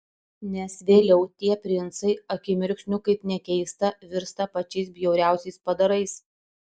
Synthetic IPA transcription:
nʲɛsʋʲeːlʲɛʊt̪ʲiɛpʲɾʲɪnt̪sɐɪɐkʲɪmʲɪɾʲkʃʲnʲʊkɐɪpnʲɛkʲɛɪst̪ɐʋʲɪɾst̪ɐpɐt͡ʃʲɛɪsbʲjɛʊɾʲæˑʊsʲɛɪspɐd̪ɐɾɐɪs

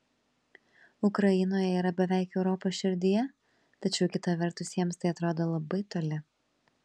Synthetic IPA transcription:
ʊkɾɐjɪnoːjɛiːɾɐbʲɛʋʲæˑɪkɛʊɾɔpoːsʃʲɪɾʲd̪ʲɪjɛ | t̪ɐt͡ʃʲɛʊkʲɪt̪ɐʋʲɛɾt̪ʊsjiɛmst̪ɐɪɐt̪ɾoːd̪oːlˠɐbɐɪt̪oːlʲɪ

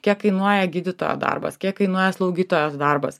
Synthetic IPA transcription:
kʲiɛkkɐɪnuɔjɛɡʲiːd̪ʲɪt̪oːjo̰ːd̪ɐ̰rbɐ̰skʲiɛkkɐɪnuɔjɛslˠɐʊɡʲiːt̪oːjosd̪ɐrbɐ̰s

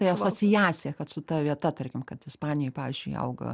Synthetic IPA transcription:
ɐɪɐsoːt͡s̪ʲɪjæːt͡s̪ʲɪjɛkɐt̪sʊt̪ɐʋʲiɛt̪ɐt̪ɐrʲkʲɪmkɐt̪ɪspɑːnʲɪjɛpɑːʋʲiɪzʲd͡ʒʲʊɪɐ̰ʊɡɐ̰

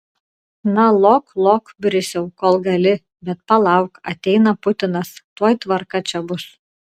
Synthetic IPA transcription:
nɐlˠoːklˠoːkbʲɾʲɪsʲɛʊkoːlˠɡɐlʲɪ | bʲɛt̪̚pɐlˠɑʊkɐ̰t̪ʲɛɪnɐpʊt̪ʲɪnɐst̪oɔjt̪ʋɐɾkɐt͡ʃʲɛbʊs

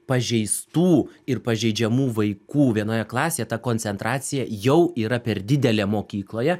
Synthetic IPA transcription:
pɐʒʲɛɪst̪uːɪrpɐʒʲɛɪd͡ʒʲɛmuːʋɐɪkuːʋʲiɛnoːjɛklˠɑːsʲeːjɛt̪ɐkoːnʲsʲɛnt̪ɾɑːt̪sʲɪjɛjɛʊiːɾɐpʲɛɾd̪ʲɪd̪ʲɛlʲeːmoːkʲiːklˠoːjɛ

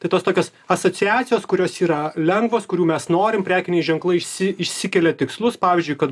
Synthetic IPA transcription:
t̪ɐɪt̪oːst̪oːkʲoːs | ɐsoːt͡ssʲɪɑːt͡s̪ʲɪjoːskʊɾʲoːsiːɾɐlʲɛŋɡʋoːskʊɾʲuːmʲɛsnoːɾʲɪmpʲɾʲæːkʲɪnʲɛɪʒʲɛŋklˠɐɪɪʃʲsʲɪɪʃʲsʲɪkʲɛlʲɛt̪ʲɪkslˠʊspɑːʋʲɪːzʲd͡ʒʲʊɪkɐt̪

